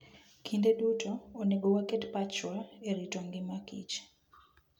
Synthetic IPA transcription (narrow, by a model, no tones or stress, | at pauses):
kʰindeɗutɔːneɡowaketpat͡ʃwaeɾitoŋɡɪmakḭt͡ʃ